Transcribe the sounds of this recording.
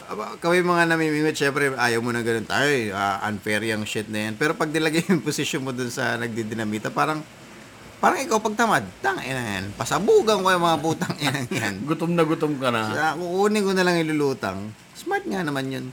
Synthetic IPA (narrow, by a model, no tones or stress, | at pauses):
bakɐmajmɐŋanɐmiːmiŋot̪̚ʃɛmpɾɛʔaːjɐwmonɐɡɐno̞nt̪a̰ːjoʔa̰ʔɐ̰nfɛɾjɐŋʃɪt̪̚nɐjanpɛːɾo̞pɐɡ̚d̪ɪlɐɡɐjʊŋposɪʃonmod̪ʊnsɐ̰nɐɡ̚d̪ɪd̪ɪnɐmiːt̪ɐpaːɾɐŋ | paːɾɐŋʔɪkawpɐɡ̚t̪ɐmad̪̚t̪aŋʔɛnɐŋa̰npɐsɐbuːɡɐŋkojɐŋmɐŋabuːt̪ɐŋʔɪnɐŋjanɡʊt̪omnɐɡʊt̪omkɐnɐkoʔuːnɪkonɐlaŋɪlʊluːt̪ɐ̰ŋ | smaɹt̪̚ŋanɐmanjon